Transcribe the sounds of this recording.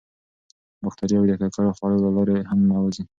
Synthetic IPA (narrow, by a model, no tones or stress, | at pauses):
baxt̪aɾiawd̪əkakaɽoxwɑɽolalɑɾeɦamːawazi